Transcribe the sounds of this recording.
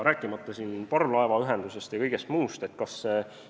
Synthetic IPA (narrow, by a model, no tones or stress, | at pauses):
ɾæːkːˑimɑt̪ːˑɑsiːnpɑrlɑevɑyɦe̞nd̪̥use̞st̪jɑkɤjɡ̥e̞st̪muːst̪e̞t̪kɑsːe